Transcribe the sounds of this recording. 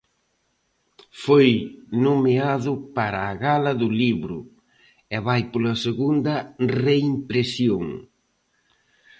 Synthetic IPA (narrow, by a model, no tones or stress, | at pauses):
fojnomeaðʊpaɾɐːɣalɐðʊliβɾʊ̰ | ɛβajpolɐseɣund̪ɐreimpɾesjoŋ